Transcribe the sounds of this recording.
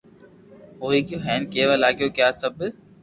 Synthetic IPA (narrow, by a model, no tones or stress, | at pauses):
oːiːkoːɦɛːnkeːʋalaːɡjoːkjaːsəb